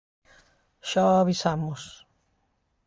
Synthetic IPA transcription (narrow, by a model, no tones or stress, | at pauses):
ʃɔaβisamʊs